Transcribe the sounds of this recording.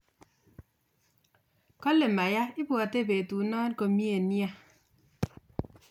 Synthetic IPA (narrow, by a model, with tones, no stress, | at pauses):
kɔ˦le˨ma˨ja˦i˦bwa˨te˦˨be˨tu˨˦nɔː˦nko˨mi˦e˨nja˦